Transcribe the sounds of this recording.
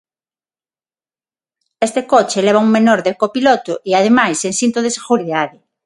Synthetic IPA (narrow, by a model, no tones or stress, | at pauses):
est̪ekot͡ʃeleβ̞auŋmenoɾðekopilot̪ʊʔiaðemajsensint̪oð̞eseɣuɾiðaðɪ